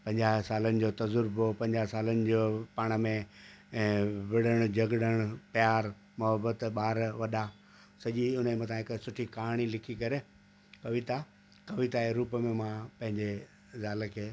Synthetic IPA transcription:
pɐ̃ɲd͡ʑaːɦsaːlənɪ̆d͡ʑoːt̪ɐzʊɾbopɐ̃ɲd͡ʑaːɦsaːlənɪ̆d͡ʑoːpaːɽ̃ə̆mẽː | ʋɪɽəɽ̃ʊd͡ʑɐɡɽəɽ̃ʊpjaːɾ | mʊɦəbət̪ɓaːɾʋɐɗa | sɐʄiʊn̤emɐ̃t̪ʰãɦɪksʊʈʰikaːɦɽ̃ilɪkʰikɐɾe | kɐʋɪt̪a | kɐʋɪt̪aeɾuːpəmẽmãpɐ̃ɦɪ̃ɲd͡ʑe | zaːləkʰeː

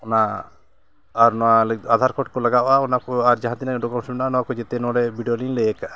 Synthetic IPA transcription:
ɔna | ɾnɔwalɛad̪ʱaɾkʰɔʈ̚kɔlaɡaʔaɔnakɔaɾd͡ʒaɦãt̪inaɔɖɔkɔmsɔmɛnaanɔwakɔd͡ʒɛt̪ɛnɔɽɛbiɖiolinlɛjɛkaʔa

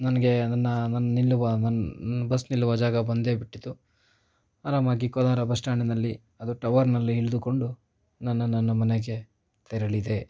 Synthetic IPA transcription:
nɐnɐɡe̞nɐnːɐnɐnːɐnilːuʋɐnɐnɐbɐsnilːuʋɐd͡ʒaːɡɐbɐnd̪e̞ːbiʈːid̪u | aːɾaːmaːɡikɔd̪aːɾɐbɐsʈaːɳinɐlːi | ɐd̪uʈɐʋɐɾnɐlːiiɭd̪uko̞ɳɖu | nɐnːɐnːɐnːɐmɐneɡe̞ | t̪ɛɾɐɭid̪e̞

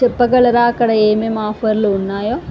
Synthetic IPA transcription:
epːɐkɐɭɐɾaːkːɐɽɐeːmemaːfɐɾiluunːaːjoː

